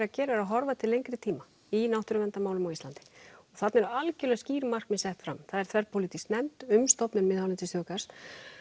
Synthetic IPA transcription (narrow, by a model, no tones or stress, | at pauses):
ɾacɛːɾaɛɾaðɦɔɾvat̪ʰɪlejŋkɾɪt̪ʰiːma | inawht̪ʏɾʏmɛnt̪amaːwlʏmawist̪lant̪ɪ̥ɔɣθat̪nɛɾʏalcɪlɛɣsciːɾmar̥kmɪsɛht̪fɾa̰mθaðɛɾ̥t̪ʰvɛɾpʰowlit̪isknɛmt̪ʏmst̪ɔpnʏnmɪðhawnɪnt̪ɪsjʏːkḁs